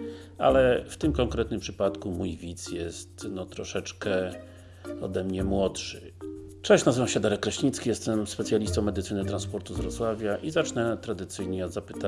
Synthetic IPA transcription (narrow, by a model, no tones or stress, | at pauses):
a̰lɛft̪ɘmkɔŋkɾɛt̪̚nɘmpʂɘpat̪kumujvʲit̪sjɛst̪nɔt̪ɾɔʂɛt͡ʂkɛ | ɔ̰d̪ɛmɲɛmwɔtʂɘ | t͡ʂɛ̃ɕnazɘvamɕɛd̪aɾɛk̚ɾɛɕɲit̪skʲijɛst̪ɛmspɛt̪sʲjalʲist̪ɔ̃w̃mɛd̪ɘt̪sɘnɘt̪ɾanspɔɾt̪uzvɾɔt̪swavʲjaʔizat͡ʂnɛt̪ɾad̪ɘt̪sɘjɲɛɔd̪zapɘ̥t̪a